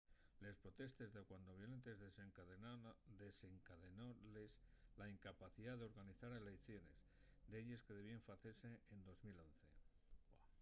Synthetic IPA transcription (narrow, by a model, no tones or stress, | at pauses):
le̞spɾo̞t̪e̞st̪e̞zðekwand̪oβjo̞le̞nt̪e̞zðeseŋ | d̪eseŋkaðenoleslaiŋkapaθiðaðeo̞ɾɣaniθaɾelekθjo̞ne̞z | d̪eʎe̞ske̞ðe̞βieɱfaθeɾse̞end̪o̞zmilo̞n̟θe̞̰